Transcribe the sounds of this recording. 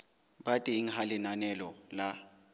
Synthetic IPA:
batʼiiŋ̩ɦalɪnanɛlɔla

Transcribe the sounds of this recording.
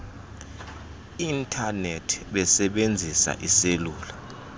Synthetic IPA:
intʰʼanetʰɓɛsɛɓend͡zʱisa̰ʔiseluːla

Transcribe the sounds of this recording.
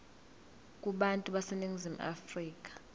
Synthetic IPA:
kʼuɓantʼuɓaseniŋizim̩ʔa̰friːk̬ʼḁ

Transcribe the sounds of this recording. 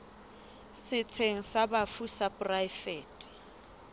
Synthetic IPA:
sɪt͡sʰeŋ̩sabafusapʼrajfɛːtʼ

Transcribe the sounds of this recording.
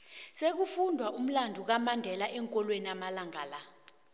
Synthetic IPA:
sek̬ufundʱwaʔum̩landʱuk̬amandʱɛlaʔɛŋkʼɔlweniamalaŋʱaːla

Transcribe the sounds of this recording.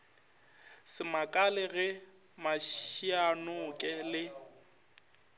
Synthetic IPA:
sɪmakʼalɪɣɛ | maʃianʊkʼɛlɪ

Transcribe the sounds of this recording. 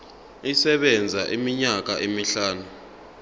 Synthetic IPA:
isɛɓɛnd͡zʱaʔimiɲak̬aʔimiɬaːnu

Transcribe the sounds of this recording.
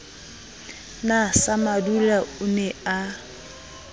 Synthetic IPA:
nasamadulaʊnɛa

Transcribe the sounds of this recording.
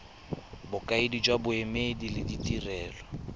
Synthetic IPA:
bʊkʼaedid͡ʒwabʊɛmedilɪditʼirɛːlɔ

